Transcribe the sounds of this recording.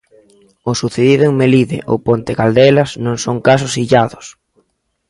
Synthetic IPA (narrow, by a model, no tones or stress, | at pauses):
ʊsuθeðiðʊeŋmeliðɪ̰ʔo̰pont̪ɪkald̪ɛlɐsnõŋsoŋkasʊsiʎaðʊs